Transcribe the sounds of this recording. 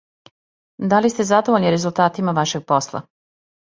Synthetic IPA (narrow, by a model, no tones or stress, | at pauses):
d̪alist̪e̞zad̪oʋoʎniɾe̞zulˠt̪aːt̪imaʋaʃe̞ɡ̚po̞slˠa̰